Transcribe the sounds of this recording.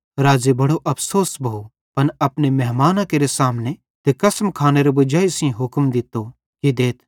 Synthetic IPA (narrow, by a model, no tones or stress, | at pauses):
ɾaːzibɐɽoʔɐpʰsoːsbʱɐu | pɐnɐpnemɛɦmaːnãkeːɾesaːmne | t̪ekɐsmkʰaːneɾebʊd͡ʒaːisĩɦʊkmd̪ɪt̪o | kid̪eːt̪̚ʰ